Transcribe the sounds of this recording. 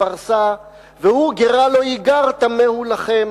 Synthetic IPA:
aʁsa | vehuɡeʁalojiɡaʁt̪amehulaχem

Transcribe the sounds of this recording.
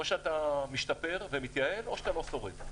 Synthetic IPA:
oʃeat̪amiʃt̪ape̞ʁvemit̪jae̞loʃat̪alo̞so̞ʁeɡ

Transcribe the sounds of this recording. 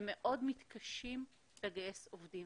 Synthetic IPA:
meʔo̞dmit̪kaʃim | leɡajesovdi

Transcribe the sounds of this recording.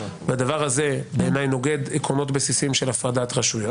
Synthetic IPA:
vead̪avaʁhaze̞beːnajno̞ɡe̞d̪ekono̞tbesisimʃelafʁadatʁaʃujo

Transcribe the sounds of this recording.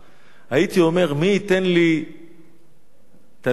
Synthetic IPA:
hait̪io̞me̞ʁmiːt̪enli | t̪a

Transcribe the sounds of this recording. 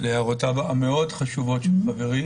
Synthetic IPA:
lehaʁotabaʔameo̞dχaʃuvo̞tʃelχaveʁi

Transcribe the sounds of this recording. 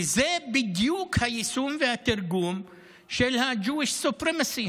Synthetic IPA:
zeːbid̪juːkʰɐjisuːmʋjaːt̪ɪɾɡuːm | ʃelɦãːd͡ʒuːiʃsupɾemɐsiː

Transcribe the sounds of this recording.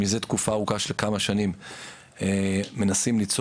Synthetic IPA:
izet̪kufaːʁukaʃelkamaʃanim | eme̞nasimlit͡s

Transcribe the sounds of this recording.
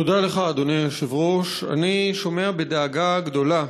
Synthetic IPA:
tod̪aleχaːd̪oneʃivʁoʃa̰niʃo̞me̞abed̪aːɡaɡd̪o̞la

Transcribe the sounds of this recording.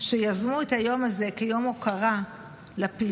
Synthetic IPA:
ʃe̞jazmuet̪hajo̞maze̞kejo̞mokaʁa | lapi

